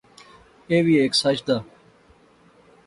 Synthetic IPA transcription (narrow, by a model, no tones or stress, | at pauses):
eːʋiːeːksɐt͡ʃd̪a